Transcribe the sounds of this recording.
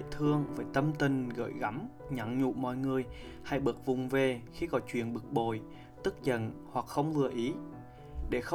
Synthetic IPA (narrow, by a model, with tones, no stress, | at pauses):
t̪ʰɨ˧əŋvəː˨˦jt̪ə˧mt̪ï˨˩ŋ̟ɣə̰ː˧˩jɣa˨˦m | ɲa˨˩ŋɲṵ˧˨mɔ̰˧˨jŋɨ˨˩əj | ha˧jɓɨ˨˩k̚vʊ˨˩ŋ͡mve˨˩xi˧kɔ˨˦t͡ɕwḭ˧˨ənɓɨ˨˩k̚ɓo˧˨j | t̪ɨ˦˥k̚zə̰˧˨nhwa˨˩k̚xə˧wŋ͡mlɨ˧əʔi˨˦ | ɗe˧˩xə˧